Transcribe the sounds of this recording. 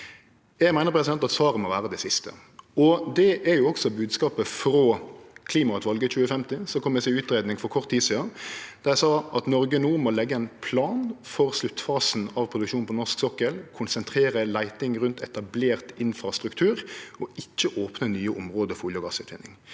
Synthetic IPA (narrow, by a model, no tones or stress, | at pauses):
jɛɡmæɪnəʁpʰɾɛsɪd̪ɛnt̪ɑt̪sʋɑːɾəmɔʋæːʁəd̪ɛsɪst̪ə̰ | ɔd̪ɛʔæɾjʊɔksɔbʉːd̪skɑːpəfɾoːkʰliːmɑt̪ʋɑlɡəc͡çʉːəfɛmt̪ɪsɔkʰɔmɛsɛʉːt̪ɾeːd̪nɪŋfɔkʰɔʁt̪ʰːiːsiɑd̥̪ɑʁjæɪsɑːʔɑt̪nɔɾɡənuːmɔlɛɡːəɛɪnpʰlɑːnfɔʁslʉt̪fɑːsn̩ɑʋpʰɾʊd̪ʉkʃuːnpʰɔnɔʁʂksɔkːəlkʰʊnsɛnt̪ʰɾeːɾəlæɪt̪ɪŋʁʉnt̪ʰɛt̪ɑbleːʁt̪ɪnfɾɑst̪ɾʉkt̪ʰʉːɾɔɪt͡ʃːəʔoːpnənyːəʔʊmʁoːd̪əfɔuljɔɡɑːsʉːt̪ʰʋɪ̰nːɪŋ